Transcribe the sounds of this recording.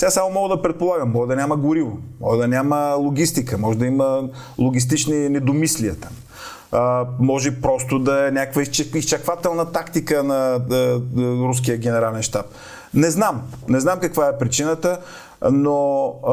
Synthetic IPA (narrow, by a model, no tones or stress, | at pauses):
sɛasamomɔɡəd̪ɐpɾɛt̪̚polˠaɡəmːɔɡəd̪ɐnʲamɐɡʊɾivomɔɡəd̪ɐnʲaməlˠoɡ̟ʲist̪ikəmɔʒɛd̪ɐimə | lˠoɡ̟ʲist̪it͡ʃninɛd̪omisliət̪am | mɔʒɛpɾɔst̪ʊd̪ɐɛnʲakəkvəist͡ʃist͡ʃɐkvat̪ɛlˠnət̪akt̪ikənɐ | ɾus̬kijəɡ̟ɛnɛɾalɛnʃt̪ap̚ | nɛznamnɛznamkɐkvaɛpɾit͡ʃinət̪ə | no